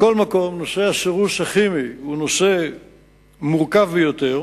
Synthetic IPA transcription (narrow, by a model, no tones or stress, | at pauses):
ko̞lmako̞mnoseaʃeʁusaχimiunose | muʁkavbejot̪e̞ʁ